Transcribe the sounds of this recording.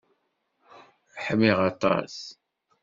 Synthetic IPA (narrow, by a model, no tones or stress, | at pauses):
ħəmːiʁɑt̪ˤɑ̰s